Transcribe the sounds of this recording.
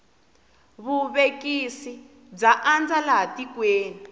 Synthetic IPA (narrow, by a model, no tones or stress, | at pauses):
βuβekisi | b͡ʐaʔand͡zalaɦatikweːni